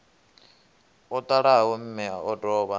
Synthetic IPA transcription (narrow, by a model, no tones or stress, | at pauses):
ɔt̪ʼaɺaɦawum̩mɛa̰ɔdɔːβa